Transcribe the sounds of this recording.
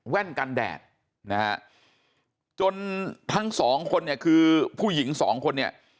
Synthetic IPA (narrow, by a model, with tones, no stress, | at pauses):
wɛ˥˩nka˧ndɛ̰ː˨˩t̚ | na˦ha̰˦˥ | t͡ɕo˧nt̪ʰa˦˥ŋsɔː˩˦ŋkʰo˧nːi˥˩ɐkʰɯː˧pʰuː˥˩ji˩˦ŋsɔ̰ː˩˦ŋkʰo˧nːi˥˩ɐ